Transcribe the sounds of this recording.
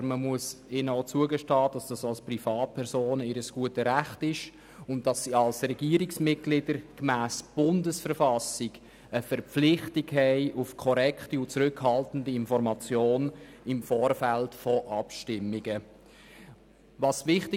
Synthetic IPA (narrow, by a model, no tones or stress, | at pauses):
məmuəsɪnəot͡suəɡəʃtɑːd̥ɑsd̥ɑsɑlsprifɑːt̚pʰɛɾsoːnɪɾəsɡ̥uətəɾæχtɪʃ | ʊnt̚dɑsːiɑlsrɛɡ̥iəɾiksmɪt̚ɡ̥lɪdəɾkmæːsb̥ʊndəsfərfɑsiɡ | əfɛɾpp͡flɪχtiɡɦɛɪʔʊfkʰɔɾɛkχtiʊt͡sɾʏkhɑltən̩diɪnfɔɾmɑt͡sjoːnɪmfɔːɾfæltfɔʔɑpʃtɪmːiɡə | vɑsvɪχtɪ